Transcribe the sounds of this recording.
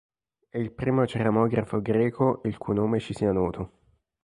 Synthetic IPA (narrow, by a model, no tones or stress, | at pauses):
ɛilpɾiːmot͡ʃeɾamɔːɡɾafoɡɾɛːkʰoʔilkujnoːmet͡ʃisianɔːt̪ʰo